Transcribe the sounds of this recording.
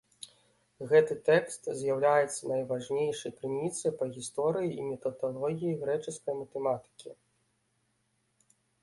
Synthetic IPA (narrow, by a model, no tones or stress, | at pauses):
ɣɛt̪ɨt̪ɛkst̪zʲjawlʲajɛt̪sːɐnɐjvaʐnʲejʂɐjpɾɨmʲit̪sɐjpɐɣʲist̪ɔɾɨjiimʲɛt̪ɐd̪alˠɔɣʲijiɣɾɛt͡ʂɨskɐjmɐt̪ɛmat̪ɨ̥kʲi